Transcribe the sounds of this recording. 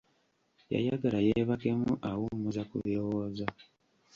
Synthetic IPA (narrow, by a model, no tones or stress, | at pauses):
ja̰jaɡalajeβake̞muʔawumuzakṵβjowoːza